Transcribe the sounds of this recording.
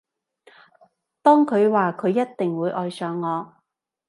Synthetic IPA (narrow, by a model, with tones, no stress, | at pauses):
t̪ɔː˥ŋkʰɵ˨˧ɥwaː˨kʰɵ˨˧ɥjɐ˥t̚t̪ɪ˨ŋwuː˨˧˥jʔɔː˨jsœː˨˧ŋːɔː˨˧